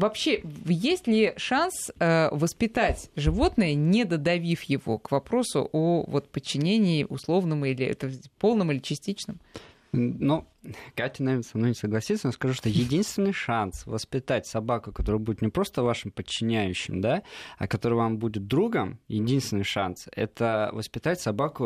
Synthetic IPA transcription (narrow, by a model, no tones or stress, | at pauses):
vɐpɕːejesʲtʲlʲɪʂansəvəspʲɪt̪atʲʐɨvo̞t̪nəjənʲɪd̪əd̪ɐvʲifjɪvo̞̰kvɐpɾo̞sʊ̰ʔovo̞t̪̚pət͡ɕːɪnʲenʲɪːʔʊ̰slˠo̞vnəmilʲɪɛ̰t̪əpo̞lˠnəmilʲɪt͡ɕɪsʲtʲit͡ɕnɨm | nu | k̪at̪ʲɪnɐvernəsɐmnojnʲɪsəɡlˠɐsʲit̪sənoskɐʐuʂt̪ojɪdʲinst̪vʲɪnːɨjʂansvəspʲɪt̪atʲsɐbakʊkɐt̪o̞ɾɨjbudʲɪt̪nʲɪpɾo̞st̪əvaʂɨmpət͡ɕːɪnʲæjʉɕːɪ̰md̪aɐ̰kɐt̪o̞ɾɨjvambudʲɪt̪̚d̪ɾuɡəmjɪdʲinst̪vʲɪnɨjʂa̰nsɛ̰t̪əvəspʲɪt̪atʲsɐbakʊ